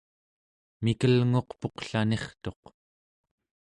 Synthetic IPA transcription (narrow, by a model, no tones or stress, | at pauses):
mikəlŋo̞qpo̞qɬane̞χt̪o̞q